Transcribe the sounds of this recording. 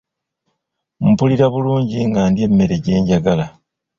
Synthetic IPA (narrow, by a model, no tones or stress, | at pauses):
m̩puliɾaβuluːɲɟiŋɡaːndje̞mːe̞ɾe̞ɟe̞ːɲɟaɡala